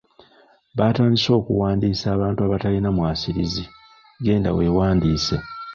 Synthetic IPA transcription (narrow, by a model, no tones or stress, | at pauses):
βataːndiso̞ːkṵwaːndiːsaːβaːntuaβatalinamwaːsiɾizi | ɡe̞ːnda̰we̞ːwaːndiːse